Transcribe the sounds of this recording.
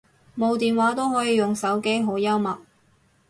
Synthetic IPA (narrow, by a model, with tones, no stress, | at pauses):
mo˨˧wt̪iː˨nwaː˨˥t̪o˥wɦɔː˨˥jiː˨˧jʊ˨ŋsɐ˨˥wke˥jɦo˨˥wjɐ˥wmɐ˨k̚